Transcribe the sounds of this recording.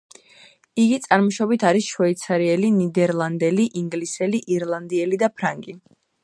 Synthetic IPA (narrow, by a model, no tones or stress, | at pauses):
iɡit̪sʼaɾmɔʃɔbit̪ʰaɾisʃwɛit̪sʰaɾiɛlinid̪ɛɾlˠand̪ɛliʔiŋɡlisɛliʔiɾlˠand̪iɛlid̪apʰɾaŋɡʼi